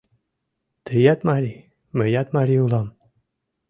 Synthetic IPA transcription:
t̪ʰɘjat̪maɾʲi | mɘ̆jat̪maɾʲiulˠɑm

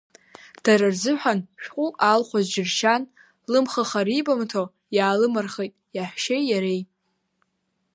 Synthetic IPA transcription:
d̥aɾɨrzɨħʷᶣanʃᶣqʼuʔalχʷazd͡ʒɪrʃan | lɨmχaχaɾibamtʰo | jaːlɨmarχejtʼjaħʷᶣʃejjaɾejʼ

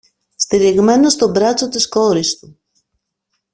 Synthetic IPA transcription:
st̪iɾiɣmenost̪obɾat͡sot̪iskoɾist̪u

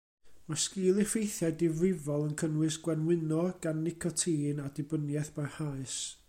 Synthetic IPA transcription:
maskiːlˠɪfejθjadɪvrɪvɔlˠənkʰənwɪsɡ̥wɛnwɪnɔɡ̥anːɪkʰɔtʰiːnadɪbənjɛθb̥arhaɨs

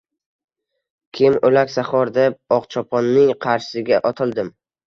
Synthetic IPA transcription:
kʲʰɪmɵlakʲsaχɒɾd̪ep̚ɒqt͡ʃʰɒpʰɒnːɪŋqʰɑɾʃɪ̥sɪɡʲaʔɒt̪ʰɪlˠd̪ɪm

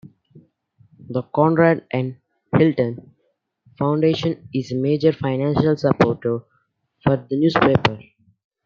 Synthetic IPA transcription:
d̪əkɔ̃ːnɾæːɖʔɛ̃ɳɖ | hɪlʈə̃n | fãʊ̃ɳɖeːʃə̃nɪzemeːd͡ʒəɾfaɪnæ̃nʃəlsəpoːʈ | fɔɾd̪ənjuːspeːpəɾ

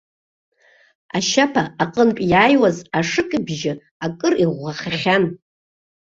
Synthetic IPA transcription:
aʃapʰaːqʼənpʼjaːjwazaʂɨkʼɨbʒɪ | akʼɨriʁʷaχaχʲan

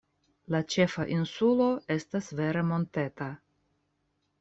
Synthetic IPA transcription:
lat͡ʃe̞faʔinsulo̞e̞stasve̞ɾe̞mo̞nte̞ta

